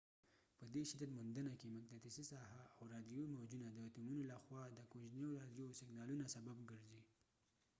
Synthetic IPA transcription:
pəd̪eʃɪd̪at̪mʊnd̪ənakemʊk̚d̪at̪ɪsisɑhaːwɾɑd̪jomawd͡ʒunad̪ət̪umunolaxwɑd̪əkoʒneɾɑd̪josɪɡnɑlunasababɡəɾzi

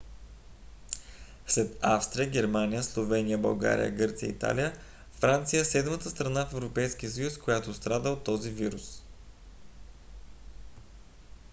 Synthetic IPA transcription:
slɛt̪afst̪ɾijəɡʲɛɾmanijəslˠovɛnijəbɐ̰lˠɡa̰ɾḭjə̰ɡɤɾt̪sijə̰it̪a̰lijə | fɾant̪sijəsɛd̪mət̪əst̪ɾɐnafɛvɾopɛjsk̟iəs̬əjuskojat̪ost̪ɾad̪əot̪ːɔziviɾus

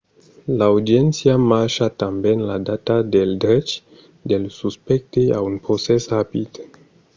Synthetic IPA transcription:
lawdient͡siamaɾʃatambenladatadeldɾet͡ʃ | delsuspek̚tea̰unpɾosesɾapid

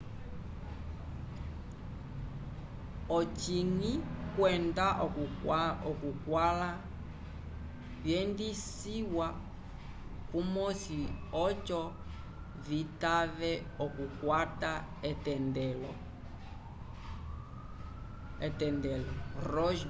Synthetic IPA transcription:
ɔt͡ʃiŋikwɛndaʔɔkuɔkukwala | βjɛndis | iwa | kumɔsiɔt͡ʃɔ | vitavɛɔkukwataɛtɛndɛlɔ | ɛtɛndɛlɔɾɔʃ

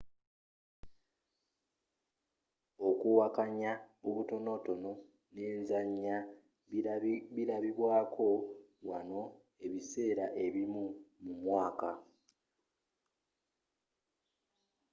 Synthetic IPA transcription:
o̞kuwakaɲaoβuto̞no̞to̞no̞ | neːnzaɲːa | βiɾaβiβwaːkʰo̞wano̞ | e̞βise̞ːɾaʔe̞βimumumwaːka

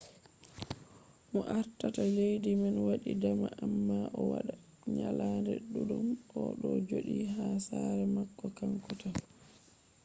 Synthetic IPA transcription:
mɔʔaɾtatalejdimanwaɗidamaʔamːaʔɔwaɗa | ɲalaːndɛɗuɗumɔɗɔd͡ʒoɗiɦaːsaɾɛmakːɔkaŋkɔta

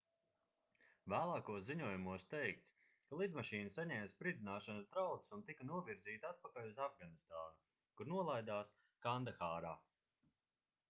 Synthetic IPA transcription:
væːlˠaːkuɔsziɲuɔjumuɔst̪ɛjk̚t̪s | kalˠid̪maʃiːnsaɲɛːmspɾid̪inaːʃansd̪ɾawt̪sunt̪ikanuɔviɾziːt̪ʲat̪̚pakalʲuzavɡanist̪aːnu | kuɾnuɔlˠajd̪aːs | kand̪axaːɾaː

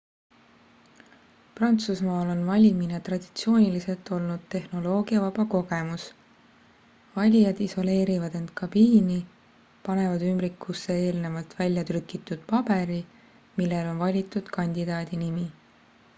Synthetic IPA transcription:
prɑnt̪susmɑːlo̞nvɑlʲimine̞t̪rɑd̪̥i̥t̪sio̞ːnʲilise̞lt̪ːˑo̞lnud̪̥̚t̪e̞hno̞lo̞ːɡ̥iɑvɑbɑko̞ɡ̥e̞mus | vɑlʲijɑd̪iso̞le̞ːɾivɑd̪e̞nd̪̥̚kʰɑbiːni | pɑne̞vɑd̪ymbɾikːusːe̞eːlne̞vɑlt̪vælʲjɑt̪rykˑit̪ːˑud̪̥̚pɑb̥e̞ɾi | milːe̞lo̞nvɑlʲit̪ːˑud̪̥kɑnʲd̪̥id̪ɑːd̪̥inimi

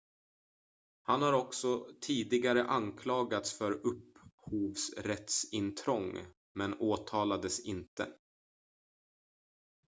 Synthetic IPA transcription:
hanhaɾɔksɔt̪ʰiːd̪ɪɡaɾəʔankʰlɑːɡat̪sfœɾɵpːhuːvsɾɛt̪sɪnt̪ʰɾɔŋː | mɛnoːt̪ʰɑːlad̪əsɪnt̪ə̰

